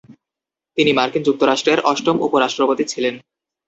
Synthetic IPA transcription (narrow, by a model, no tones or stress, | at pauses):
t̪inimaɾkind͡ʑuk̚t̪oɾaʃʈɾeɾʔɔʃʈomṵpoɾaʃʈɾopot̪it͡ɕʰilen